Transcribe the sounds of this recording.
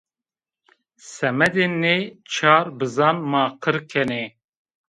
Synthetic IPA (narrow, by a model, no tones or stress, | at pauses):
sɛmɛd̪eːnːeːt͡ʃʰaːɾbɨzɑːnmaːqʰɨɾkʰɛneː